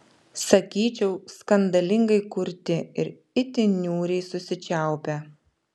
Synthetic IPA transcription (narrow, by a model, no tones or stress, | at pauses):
sɐkʲiːt͡ʃʲɛʊskɐnd̪ɐlʲɪŋɡɐɪkʊɾʲt̪ʲɪɪɾ | ɪt̪ʲɪnʲuːɾʲɛɪsʊsʲɪt͡ʃʲæˑʊpʲɛ